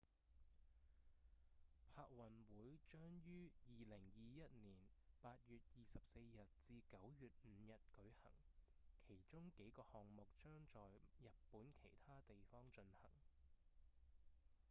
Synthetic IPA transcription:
pʰaː˧k̚wɐ˨nwuː˨˥jt͡ʃœː˥ŋjyː˥jiː˨lɪ˨˩ŋjiː˨˧jɐ˥t̚niː˨˩npaː˧t̚jyː˨t̚jiː˨sɐ˨p̚se˧jjɐ˨t̚t͡siː˧kɐ˨˥wjyː˨t̚m̩ː˨˦jɐ˨t̚kɵ˨˥ɥhɐ̰˨˩ŋkʰe˨˩jt͡sʊ˥ŋke˨˥jkɔː˧hɔː˨ŋmʊ˨k̚t͡ʃœː˥ŋt͡ʃɔː˨jjɐ˨t̚puː˨˥nkʰe˨˩jt̪ʰaː˥t̪e˨jfɔː˥ŋt͡ʃɵ˧nhɐ̰˨˩ŋ

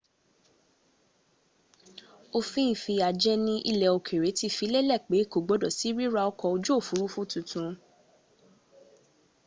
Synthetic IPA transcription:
o˧fĩ˦ĩ˦˨fi˧a˨d͡ʒɛ˦nĩ˦ʔi˦lɛ˧o˧kʰe˨ɾe˨˦ti˦fi˧˦le˦lɛ˦˨k͡pe˨˦˨ko˨ɡ͡bo˨˦dɔ˦˨si˨˦ɾi˦ɾa˧ɔ˧kɔ˧o˧d͡ʒu˦o˦˨fu˨˦ɾu˦fũ˦˨tũ˧tũ˧

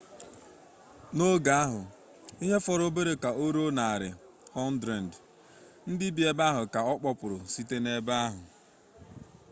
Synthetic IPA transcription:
no˦ɡa˨˦a˦ɦʊ˨ | i˦ɦe˦fɔ˨ɾʊ˦be˦ɾe˨ka˨o˦ɾo˦na˨a˨ɾɪ̰˨ | hɔ˦n̩˦dɾe˨n̩˨d | n̩˦dɪ˦bi˨˦e˦ba˦ɦʊ˨ka˨ɔ˦k͡pɔ˦pʊ˨ɾʊ˨si˦te˦ne˦ba˦a˦ɦʊ˨

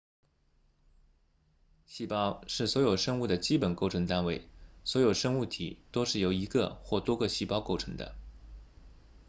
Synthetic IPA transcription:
ɕi˥˩pɑ˥ʊʂɻ̩˥˩swɔ˧˥jo˨˩ʊʂɤ˥ŋu˥˩d̪ə˩t͡ɕi˥pə˨˩nko˥˩ʊʈ͡ʂʰɤ˧˥ŋt̪a˥nwe˥˩ɪswɔ˧˥jo˨˩ʊʂɤ˥ŋu˥˩t̪ʰḭ˨˩t̪o˥ʊʂɻ̩˥˩jo˧˥ʊi˧˥ɡə̰˧xwɔ˥˩t̪wɔ˥ɡə˧ɕi˥˩pɑ˥ʊko˥˩ʊʈ͡ʂʰɤ˧˥ŋd̪ə̰˧

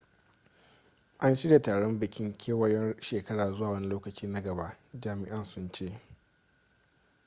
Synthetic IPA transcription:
ʔa˦nʃi˦da˨taː˨ɽɔ˦mbɪ˨kʲɪ˦ŋkʲʰeː˦wɐ˦jɔ˦nʃeː˨kɐ˦ɽaː˨zʊ˦waː˨wɐ˦ni˦loː˦kɐ˨t͡ʃiː˦na˦ɡɐ˨ba˦ʔd͡ʒaː˨mɪ˨ʔa˦nsʊ˦nt͡ʃeː˦

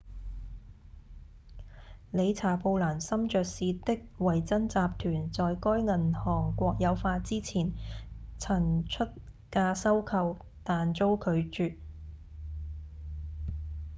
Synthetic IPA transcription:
le˨˧jt͡sʰaː˨˩po˧wlaː˨˩nsɐ˥mt͡ʃœː˨k̚siː˨˧t̪ɪ˥k̚wɐ˨˩jt͡sɐ˥nt͡saː˧p̚t̪ʰyː˨˩nt͡sɔː˨jkɔː˥jŋɐ˨˩nhɔː˨˩ŋkʷɔː˧k̚jɐ˨˧wfaː˧t̚t͡siː˥t͡sʰiː˨˩nt͡sʰɐ˨˩ŋt͡ʃʰɵ˥t̚ | kaː˧sɐ˥wkʰɐ˧w | t̪aː˨nt͡ʃo˥wkʰɵ˨˧ɥt͡ʃyː˨˧t̚

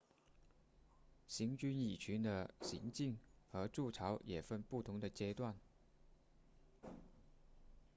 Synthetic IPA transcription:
ɕi˧˥ŋt͡ɕy˥ni˨˩t͡ɕʰy˧˥nd̪ə˧ɕḭ˧˥ŋt͡ɕi˥˩ŋxɤ˧˥ʈ͡ʂu˥˩ʈ͡ʂʰɑ˧˥ʊjɛ˨˩fə˥npu˥˩t̪ʰʊ˧˥ŋd̪ə˨t͡ɕjɛ˥t̪wa˥˩n

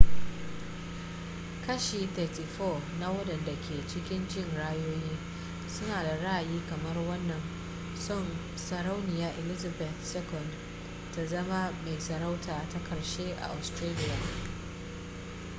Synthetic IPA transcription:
kɐ˦ʃiː˨t̪ɐː˨ti˨fɔ˦˨na˦wɐ˦dɐ˨nda˨kʲʰeː˨t͡ʃɪ˦kʲɪ˦nd͡ʒɪ˦ŋɽaː˦joː˦jiː˦ | sʊ˦naː˨da˨ɽɐ˦ʔa˨jiː˦kɐ˨mɐ˦rwɐ˦nːɐ˨n | sɔ˦˨n | sɐ˨ɾa˦wnɪ˨jaː˨ʔɪ˨lɪ˦za˨bɛ˨θsɛ˦kɔ˨nd | ta˦zɐ˦ma˦me˨jsɐ˨ɾa˦wtʰaː˨ta˦kɐ˨ɾʃeː˦ʔa̰˨ʔa˨stɾaː˦lɪ˦ja˨

